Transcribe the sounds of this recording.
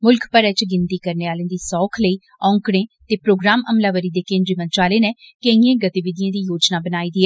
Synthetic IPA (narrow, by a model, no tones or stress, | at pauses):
mʊlkʰpəɾɛːt͡ʃɡɪnt̪iːkəɾneːaːlẽːd̪iːsɔːkʰləiː | ɔ̃ːŋkɽẽːt̪eːpɾoːɡɾaːməmlaːʋəɾiːd̪eːkẽːndɾiːmə̃nt͡ʃaːleːnɛ̃ːkeiẽːɡət̪iːʋɪd̪ijãːd̪iːjoːd͡ʒnaːbənaːiːd̪iːɛː